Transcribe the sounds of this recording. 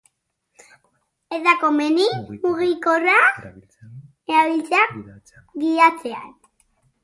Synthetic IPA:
eðakomenimuɣikora | eɾaβilt͡sa | ɡiat͡sea̰n

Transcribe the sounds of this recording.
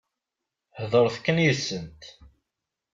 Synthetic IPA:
hðˤəɾˤθkːənjəsːənt̪

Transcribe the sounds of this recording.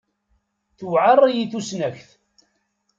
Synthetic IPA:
θwʕərˤːjiθusnæçθ

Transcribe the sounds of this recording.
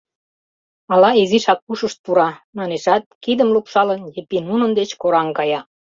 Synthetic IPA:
ɑlɑeziʃɑk̚puʃəʃt̪̚puɾɑmɑneʃɑt̪̚kid̪əmlupʃɑlənjepinunə̆nd̪et͡ɕkoɾɑŋkɑjɑ

